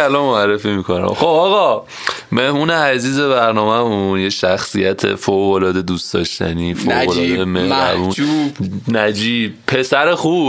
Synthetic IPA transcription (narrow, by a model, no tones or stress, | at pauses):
ælɒnmoærːe̞fiːmikʰo̞næ̰mxobɒːɣɒ | me̞hmuːneæziːze̞βæɾnɒːmæmunjeʃæxsijæt̪ʰe̞̰foɣolɒːd̪e̞d̪usd̪̥ɒ̰ːʃt̪æ̰niːfoolɒːd̪emehæ̰buunæd͡ʒiːb̚pʰe̞sæɾexuːb